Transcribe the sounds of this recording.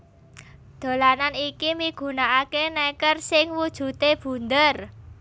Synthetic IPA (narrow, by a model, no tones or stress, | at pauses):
d̪̥o̤lananikimiɡ̥ṳnaʔakenɛkərsɪŋwud̥ʒ̥ṳt̪eb̥ṳnd̪ər